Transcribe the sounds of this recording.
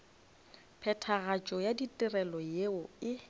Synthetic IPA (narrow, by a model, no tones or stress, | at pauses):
pʰɛtʰaɣat͡ʃʼɔjaditʼɪrɛlɔjeʊɪ